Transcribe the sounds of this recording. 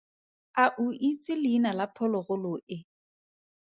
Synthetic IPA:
aʔuit͡sʼɪlɪinalapʰɔlɔɣʊlʊɪ

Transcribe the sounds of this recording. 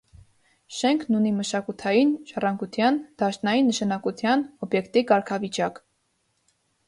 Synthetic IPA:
ʃɛŋkʰnuniməʃɑkut̪ʰɑjinʃɑrɑŋɡut̪ʰjɑnd̪̥ɑʃnɑjinːəʃɑnɑkut̪ʰjɑnɔbjɛkt̪ikɑɾkʰɑvit͡ʃɑk

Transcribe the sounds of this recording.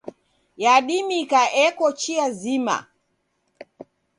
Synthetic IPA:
jaɗimikaʔɛkɔt͡ʃiazima̰

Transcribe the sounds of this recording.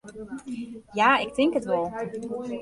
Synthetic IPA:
jaːɪk̚tɪŋkətʋɔlˠ

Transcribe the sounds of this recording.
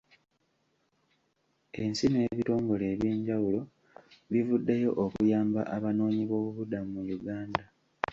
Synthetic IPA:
e̞nsineːβito̞ːŋɡo̞le̞ːβjiːɲɟawulo̞ | βivudːejo̞ʔokujaːmba̰ʔaβano̞ːɲiβo̞ːβuβudamumujuɡaːnda

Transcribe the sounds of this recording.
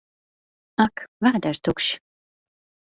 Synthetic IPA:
akvad̪aɾt̪ʰukʃ

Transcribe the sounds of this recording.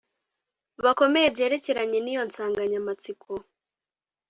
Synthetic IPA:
βako̞me̞jebje̞ːɾe̞ce̞ɾaɲe̞nijo̞nsaːŋɡaɲamat͡sikʰo

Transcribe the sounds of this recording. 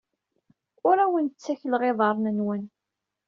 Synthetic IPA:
ʊɾæwənt͡sːæçəlʁeðˤɑɾˤnənwən

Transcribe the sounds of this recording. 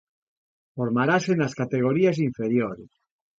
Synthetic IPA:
foɾmaɾasenaskat̪eɣ̞oɾias̬iɱfeɾjoɾes

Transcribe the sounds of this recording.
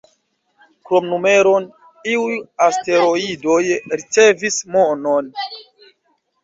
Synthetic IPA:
kɾo̞mnume̞ɾo̞n | iujaste̞ɾo̞ido̞jɾit͡se̞vismo̞non

